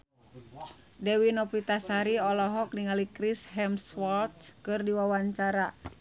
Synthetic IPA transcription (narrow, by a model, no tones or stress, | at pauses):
dɛwinɔpit̪asaɾiɔlɔɦɔk̚niŋalikɾisɦɛmswɔlt̪̚kɨrdiwawaɲt͡ʃaɾa